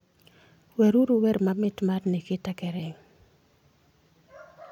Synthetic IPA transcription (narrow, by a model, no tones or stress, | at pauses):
wɛɾuɾuwɛɾmamɪtmarnɪkɪtakɛɾɪŋ